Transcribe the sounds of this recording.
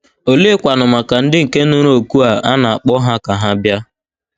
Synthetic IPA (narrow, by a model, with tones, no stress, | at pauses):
o˨le˦kʷa˨nʊ˨ma˨ka˨n̩˦dɪ˦ŋ̩˨ke˦nʊ˦ɾo˨ku˦a˨a˦na˨a˨k͡pɔ˦ɦa˦ka˨ɦa˦bja˦